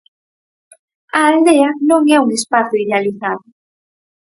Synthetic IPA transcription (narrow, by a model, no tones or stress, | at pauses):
ɐːld̪eɐnõŋɛuŋespaθjʊiðealiθaðʊ